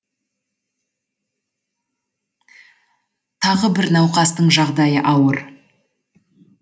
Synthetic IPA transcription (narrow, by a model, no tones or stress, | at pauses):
t̪ʰɑʁəbɪɾnɑwqɑst̪əɴʒɑʁd̪ɑjəʔɑwəɾ